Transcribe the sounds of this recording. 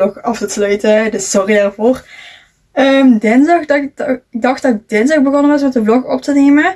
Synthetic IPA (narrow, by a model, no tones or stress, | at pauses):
lɔxɑftəslœɥtədəssɔridarvoːr | əmdɛnzɑxdɑɪɡ̚dɑxt̚dɑd̥ɛnzɑxbəɣonəʋɑs̬mɛtdəvlɔxɔ̰p̚tənemə